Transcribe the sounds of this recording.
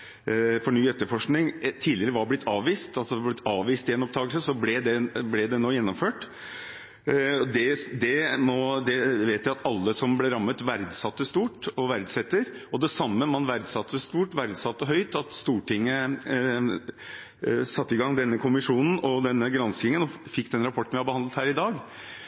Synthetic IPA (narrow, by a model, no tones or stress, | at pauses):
fɔɳyːɛt̪ːəfɔʂknɪŋt̪ʰiːd̪lɪəɾəʋɑɾblɪt̪ʰːɑːʋiːst̪ɑlsɔd̪blɪt̪ʰɑːʋʋiːst̪ɪɛnɔp̚d̪ɑːɡəlsəsɔblɛd̪ɛblɛd̪ɛnoːjɛnːɔmføːʈ | ɔd̪ɛd̪ɛmɔd̪ɛʋeːt̪æɪɑt̪ʰɑlːəsɔmblɛɾɑmːət̪ʋæɾd̪sɑt̪ːəst̪uːʈɔʋæɾd̪sɛt̪ːəɾɔd̪ɛsɑmːəmɑnʋæɾd̪sɑt̪ʰːəst̪uːʈʋæɾd̪sɑt̪ːɔɦœʏt̪ɑt̪st̪uːʈɪŋːə | sɑt̪ːɪɡɑŋd̪ɛnːəkʰʊmɪʂuːnn̩ɔd̪ɛnːəɡɾɑnsɪŋənɔfɪkːd̪ɛnɾɑpʰɔʈːɳ̩ʋɪhɑbəhɑnd̪lət̪hæːɾɪd̪ɑːɡ